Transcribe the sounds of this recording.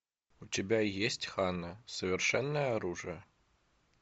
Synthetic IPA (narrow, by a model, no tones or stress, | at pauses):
ʊtʲɪbʲajesʲtʲxanəsəvʲɪrʂɛnːəjəaɾuʐɨjə